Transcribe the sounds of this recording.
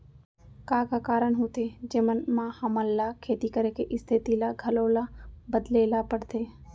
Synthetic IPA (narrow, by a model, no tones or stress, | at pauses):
kaːkakaːɾəɳɦut̪ʰed͡ʒeːmənmãhəməlːakʰeːt̪ikəɾekeʔɪst̪ʰɪt̪ilaɡʱəloːlabəd̪leːlapəɽt̪ʰeː